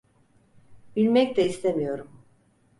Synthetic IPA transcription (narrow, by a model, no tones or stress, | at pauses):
bilʲmɛc̚t̪ɛist̪ʰemijo̞ɾum